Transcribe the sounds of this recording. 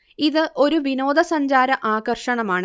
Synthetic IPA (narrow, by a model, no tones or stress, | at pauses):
iðɨʔo̞ɾuʋino̞ːd̪ɐsɐɲd͡ʑaːɾɐʔaːɣɐrʂɐɳɐmaːɳɨ